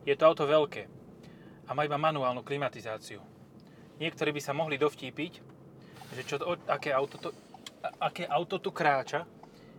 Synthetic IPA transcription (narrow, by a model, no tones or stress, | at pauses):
jɛt̪ɔaʊt̪ɔʋɛlkɛː | amaːibamanuaːlnuklimat̪izaːt͡siu | ɲɪɛkt̪ɔɾiːbisamɔɦlid̪ɔfciːpic | ʒɛt͡ʃɔɔakɛːaʊt̪ɔt̪ɔ | akɛːʔaʊt̪ɔt̪ukɾaːt͡ʃa